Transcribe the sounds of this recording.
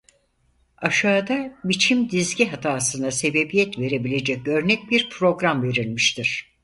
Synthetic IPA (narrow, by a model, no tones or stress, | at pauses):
aʃaːd̪abit͡ʃʰimd̪izɟiɦat̪ʰaːsɯnase̞be̞bijɛt̪ve̞ɾe̞bilʲe̞d͡ʒɛc̚ø̞ɾnɛc̚biɾpʰɾo̞ɡɾamve̞ɾilʲmiʃt̪ʰiɾ̝̥